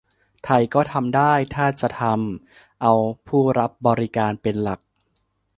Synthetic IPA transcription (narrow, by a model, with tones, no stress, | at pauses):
t̪ʰa˧jkɔː˥˩t̪ʰa˧mdaː˥˩jt̪ʰaː˥˩t͡ɕa˨˩t̪ʰa˧m | ʔa˧wpʰuː˥˩ɾa˦˥p̚bɔː˧ɾi˦˥kaː˧npe˧nla˨˩k̚